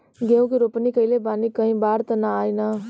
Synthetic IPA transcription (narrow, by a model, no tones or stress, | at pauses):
ɡeũkiɾopnikəilebanikəɦĩbaɾt̪ənaajna